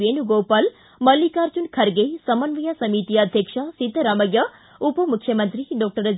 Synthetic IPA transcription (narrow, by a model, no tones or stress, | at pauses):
enuɡopɐl | məlːikaɾt͡ʃunkʰɐɾɡejsɐmɐnʋɐjasɐmit̪iəd̪ʱjəkʂasit̪ːəɾamɐjːɐ | upəmukʰːjɐmənt̪ɾiɖɔːk̚ʈəɾə